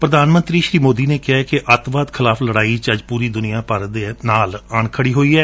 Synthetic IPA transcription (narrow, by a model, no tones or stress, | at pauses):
pɾəd̪aːnmə̃nt̪ɾiːʃɾiːmoːd̪iːneːkɪaːkɪʔət̪ʋaːd̪kʰɪlaːpʰləɽaːit͡ʃəd͡ʒpuːɾiːd̪ʊnɪjãːpəɾd̪eːnaːləɳkʰəɽiːɦoːiːɛː